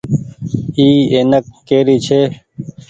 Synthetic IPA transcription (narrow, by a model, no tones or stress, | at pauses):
iːeːnəkːeːɾiːt͡ɕʰeː